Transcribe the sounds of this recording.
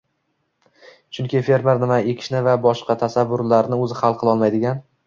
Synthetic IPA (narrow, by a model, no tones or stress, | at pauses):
t͡ʃʰʊŋkʲɪfe̞ɾmeɾnɪmaekʲʰɪ̥ʃnɪvabɒʃqɑt̪ʰasavːʊɾlaɾnɪɵzɪχalˠqʰɨlˠɒlˠmajd̪ɪɡʲan